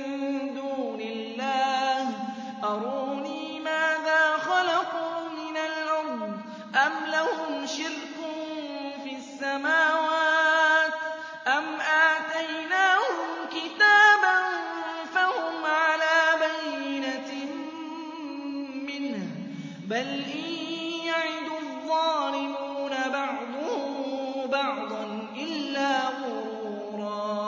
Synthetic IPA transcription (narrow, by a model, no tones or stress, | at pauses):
nd̪uːnɪlːaːh | ʔɑɾˤuːniːmaːðaːxɑlɑquːmɪnalʕawm | ʔamlahʊmʃɪɾkʊnfiːasːamaːwaːt̪ | ʔamʔaːt̪ajnaːhʊmkɪt̪aːban | fahʊmʕalaːbajːɪna | mɪnh | balʔiːjaʕɪd̪ðˤːɑːlɪmuːnabɑʕd̪ˤʊhʊmbɑʕd̪ˤɑn | ʔɪlːaːmʊɾ | uːɾˤɑː